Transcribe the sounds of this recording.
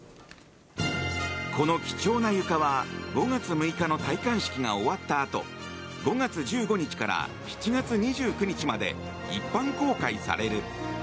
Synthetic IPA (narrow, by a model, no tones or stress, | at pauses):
kʰo̞no̞kʲi̥t͡ɕo̞ːnajɯ̟kaβaɡo̞ŋat͡sɨmɯ̟ikano̞t̪aikãɰ̃ɕi̥kʲiŋao̞βat̪ːaːt̪o̞̰ | ɡo̞ɡat͡sɨd͡ʑɨːɡo̞ɲ̟it͡ɕi̥kaɾa̰ | çi̥t͡ɕiɡat͡sɨɲ̟iʑɨːkɯ̟ɲ̟it͡ɕimad̪e̞̰ | ipːãŋko̞ːkaisa̰ɾe̞ɾɯ̟